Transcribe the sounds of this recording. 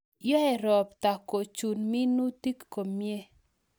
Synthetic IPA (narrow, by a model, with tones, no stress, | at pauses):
jɔ˦ɛ˨ɾɔ˨pta˨ko˨t͡ʃu˨nmi˦nu˦ti˦kːo˨mje˦